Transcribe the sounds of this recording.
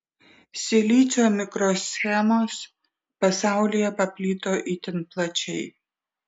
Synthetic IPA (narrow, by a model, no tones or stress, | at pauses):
sʲɪlʲiːt͡s̪ʲoːmʲɪkɾoːsʲxʲɛmoːs | pɐsɑˑʊlʲɪjɛpɐpʲlʲiːt̪oːʔit̪ʲɪnplˠɐt͡ʃʲɛɪ